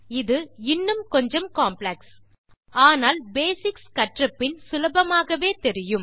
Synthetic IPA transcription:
ɪðɯɪnːɯmkɔɲd͡ʒɐmkaːmplɐks | aːnaːlbeːsɪkskɐʈrɐpːɪnsʊlɐbɐmaːɣɐʋeːt̪ɛɾɪjɯm

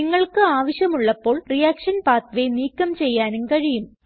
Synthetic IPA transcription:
niŋːɐɭkɨaːʋɐɕjɐmuɭːɐpːo̞ːɭrijaːkʂɐnpaːt̪ʋe̞niːkːɐmt͡ɕe̞jːaːnumkɐɻijum

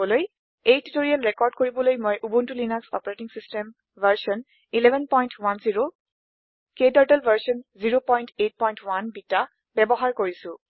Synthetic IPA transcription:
ɔloj | ejtitoɹialɹɛkɔɹdkoɹibɔlojmojʔubuntulinaksɔ̰paɹetiŋsistɛm | vʱaɹsɔn | ilɛbʱɛnpɔjntwanziɹo | ketaɹtɛlvʱaɹsɔnziɹopɔjntet̚pɔjntwanbita | bɛbɔɦaɹkoɹisʊ̃

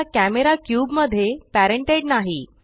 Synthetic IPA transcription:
akæmeɾakjuːbməd̪ʱːjepæɾəɳʈeɽnaɦi

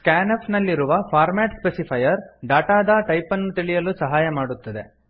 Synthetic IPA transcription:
skaːnɐpnɐlːiɾuʋɐpʰaːɾmɛːʈspesipʰɐjɐɾɖaːʈaːd̪ɐʈɐjpɐnːut̪iɭijɐlusɐɦaːjɐmaːɽut̪ːɐd̪e̞̰

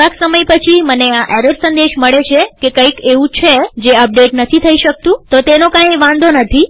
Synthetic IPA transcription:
aksəməjpət͡ʃʰiməneaʔɛɾeɾsənd̪eʃməɭet͡ʃʰekekəikeʋũt͡ʃʰed͡ʒeəp̚ɖeʈnət̪ʰit̪ʰəiʃək̚t̪ũt̪ot̪enokãĩʋãnd̪ʱonət̪ʰi

